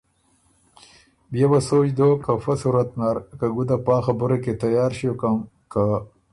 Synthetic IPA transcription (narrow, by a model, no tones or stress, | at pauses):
bjabasojd̪okafasuɾat̪naɾkaɡud̪apaːxabuɾeket̪ajɑːɾʃokam | ka